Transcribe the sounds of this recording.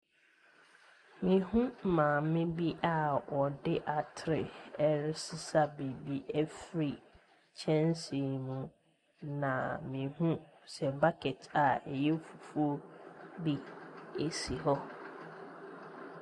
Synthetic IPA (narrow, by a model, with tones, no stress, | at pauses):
mĩ˨hũ˦˨mã˨mɪ̃˦bi˦ʔa˨wɔ˨dɪ˦ʔa˨tʰɪ˨ɾɪ˨ɛ˨ɾɪ˦sɪ˦sa˦bi˨bi˦ʔɛ˦fɾi˨ | t͡ɕʰɛ̃˦nsi˨mũ˨ | nã̰˨mĩ˨hũ˦ | sɛ˨ba˦kʰɛ˨tʰa˨ɛ˨jɛ˦fu˨fu˦o˦bi˦e˨si˨ɦɔ˦